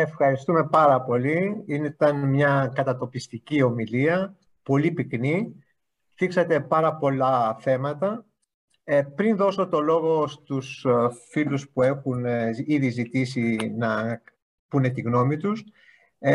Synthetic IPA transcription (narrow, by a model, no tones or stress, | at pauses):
e̞fxɐɾist̪ume̞pɐɾɐpo̞liinet̪ɐnmɲɐkɐt̪ɐt̪o̞pist̪icio̞miliɐ | po̞lipikni | t̪iksɐt̪e̞pɐɾɐpo̞lɐθe̞mɐt̪ɐ | pɾinðo̞so̞t̪o̞lo̞ɣo̞st̪usfiluspue̞xuniðizit̪isinɐ | pune̞t̪iɣno̞mit̪us